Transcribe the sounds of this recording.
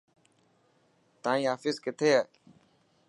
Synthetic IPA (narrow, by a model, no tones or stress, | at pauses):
t̪ãːĩːaːfɪskɪt̪ʰeːaː